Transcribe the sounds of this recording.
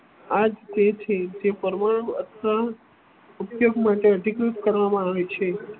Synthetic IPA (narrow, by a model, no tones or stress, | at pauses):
ad͡ʒt̪et͡ʃʰed͡ʒepəɾmaɽ̃ũət̪ʰʋa | upjoɡmaʈeəɖʱikɾut̪kəɾʋamãaʋet͡ʃʰe